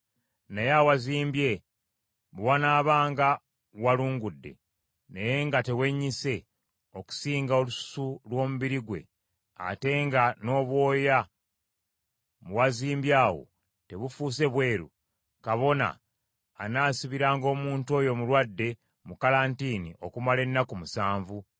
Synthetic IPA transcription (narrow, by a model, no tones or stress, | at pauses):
nejawaziːmbje̞ | βwanaːβaːŋɡa | waluːŋɡudːe̞̰ | neje̞ŋɡate̞we̞ɲːise̞ | o̞ku̥siːŋɡao̞lusu̥sulwo̞ːmuβiɾiɡwe̞̰ | a̰te̞ːŋɡano̞ːβwo̞ːja | muwaziːmbjaːwo̞̰ | te̞βufuːse̞βwe̞ːɾṵ | kaβo̞na̰ː | naːsiβiɾaːŋɡo̞ːmuːntuo̞ːjo̞mulwadːe̞ | mukalaːntiːniʔo̞kumale̞nːakumusaːɱvu